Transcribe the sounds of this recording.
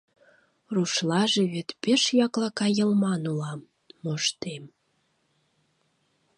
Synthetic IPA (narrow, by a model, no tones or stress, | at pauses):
ruʃlɑʒeβet̪peʃjɑklɑkɑjə̆lmɑnulɑmː | oʃt̪em